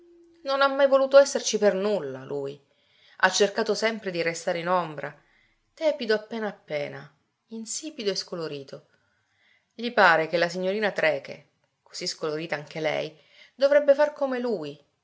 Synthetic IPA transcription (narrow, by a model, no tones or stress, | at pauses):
nonamːajvoluːt̪oɛsːert͡ʃipernulːalʔuːj | a̰t͡ʃːerkaːt̪osɛmpɾed̪iɾest̪aːɾeinombɾʔa | t̪ɛːpid̪oapːeːnaːpːɛːna̰ | insiːpid̪oeskoloɾiːt̪o | ʎipaːɾek̟elasiɲːoɾiːnat̪ɾɛːkḛ | ko̥siskoloɾiːt̪aaŋk̟elɛ̰j | d̪ovɾɛbːefarkomeluːj